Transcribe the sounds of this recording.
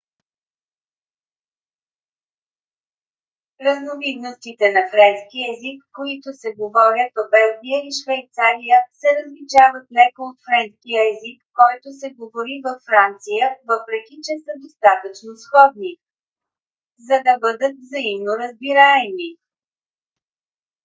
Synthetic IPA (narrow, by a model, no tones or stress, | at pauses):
ɾəznovid̪nost̪it̪ɛnɐfɾɛnskiɛzikːoit̪osɛɡovɔɾʲjət̪̚pobɛlˠɡʲijəiʃvɛjt̪saɾijəsɛɾəzlit͡ʃavət̪lɛkoot̪fɾɛnskʲijəɛzikːɔjt̪osɛɡovoɾivɐfːɾant̪sijəvəpɾɛkʲit͡ʃɛsəd̪ost̪at̪ət͡ʃnosxɔd̪ni | zɐd̪ɐbɤd̪ət̪vzɐimnoɾəzbiɾaɛmi